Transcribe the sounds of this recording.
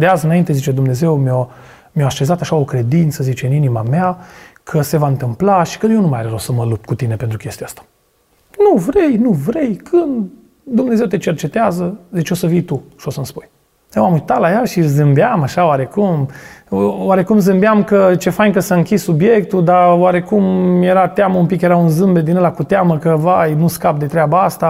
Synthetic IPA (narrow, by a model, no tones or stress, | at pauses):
d̪eazɨnaint̪e̞zit͡ʃe̞d̪umne̞ze̞wmeo | mjaaʃe̞zat̪aʃao̞kɾe̞d̪int̪səzit͡ʃe̞ɨninima̰meakʰəse̞vaɨnt̪ɨmplaʃi̥kənjenumajaɾeɾosəməlup̚t̪̚kut̪ine̞pent̪ɾukest̪ijast̪ḁ | nuvɾe̞jnuvɾe̞jkʰɨnd̪ː | umne̞ze̞wt̪e̞t͡ʃe̞rt͡ʃe̞t̪eazəd̪it͡ʃʲo̞səvijt̪uʃo̞səmspuj | jewamujt̪alajaʃizɨmbeamaʃaoaɾe̞kum | waɾe̞kumzɨmbejamkət͡ʃe̞fajŋkəsaɨŋkʲissubje̞kt̪uld̪awaɾe̞kumje̞ɾat̪eaməumpikjeɾaunzɨmbe̞d̪inəlakut̪eaməkəvajnuskap̚d̪e̞t̪ɾeabaast̪a